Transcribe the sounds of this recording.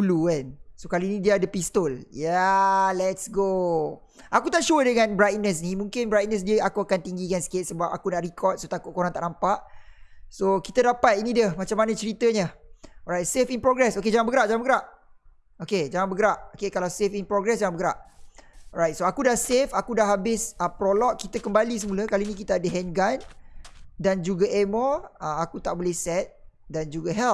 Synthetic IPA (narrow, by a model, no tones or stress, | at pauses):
ulukansokalinĩdiadəpist̪oljalɛtsɡo | ʔakut̪aʔʃuədəŋãnbɾajt̪̚nəs̬nimũŋkɪnbɾajt̪̚nəs̬diəakuakant̪iŋɡikansə̥ket̚səbap̚a̰kunaʔrikʰɔt̪̚sot̪akʊʔ̚koɾaŋt̪aʔnampaʔsokit̪adapat̪̚inidəmat͡ʃamanə̃t͡ʃəɾit̪əɲərajt̪̚sefinpɾoɡɾɛsoked͡ʒaŋãnbəɡəɾaʔd͡ʒaŋanbəɡəɾaʔ | oked͡ʒaŋãnbəɡəɾaʔokekalawsefinpɾoɡɾɛsd͡ʒaŋãnmbəɡɾaʔ | rajt̪̚soakudahsefakudahɦabɪsəpɾolɔʔ̚kit̪əkəmbalis̬əmulakalinĩkit̪aadəɦɛnɡan | dand͡ʒuɡaʔemɔəmakut̪aʔbolɛhsɛt̪̚dand͡ʒuɡaɦɛl